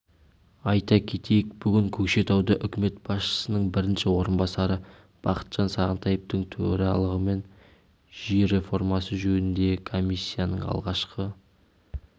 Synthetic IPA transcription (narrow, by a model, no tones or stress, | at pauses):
ɑjt̪ɑkʲʰe̞t̪ʰe̞jɪkb̥ʏɡʲɪŋkʲʰɵkʃe̞t̪ɑwd̪əʔʏkʲɪme̞t̪̚b̥ɑsʃə̥sənəɴbɪɾɪnʃɪwo̞ɾənbɑsɑɾə | b̥ɑqə̥t̪ʒ̥ɑnsɑʁənt̪ɑjep̚t̪əɴt̪ʰɵɾɑlˠəʁəme̞n | ʒiɾe̞fo̞rmɑsəʒɵnɪnd̪e̞kʰo̞misʲːijanə̰ɴɑ̰lˠʁɑʃqʰə